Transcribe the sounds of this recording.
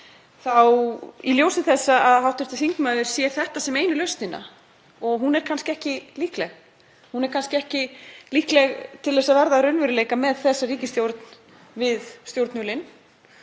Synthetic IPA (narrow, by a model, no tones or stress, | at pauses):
θawiljowsɪθɛsːaaðhawht̪ʏɾ̥t̪ɪθiŋkmaːðʏɾ̥sjɛɾ̥θɛht̪asɛmejnʏlœɥst̪nɪnːa̰ | ɔɣɦunɛɾ̥kʰanskcɪɛhcɪliːhklɛɣ | hunɛɾ̥kʰanscɪɛhcɪliːhklɛɣt̪ʰɪlɛsaðvɛɾðaɾœnvɪɾʏleːjkamɛðθɛsːariːcɪst̪jowɾt̪n | vɪðst̪jowɾt̪nʏlɪn